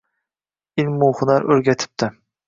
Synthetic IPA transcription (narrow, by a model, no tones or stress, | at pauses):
ɪlmːuχʊnɑɾɵɾɡʲɛt̪ʰɪ̥p̚t̪ʰɪ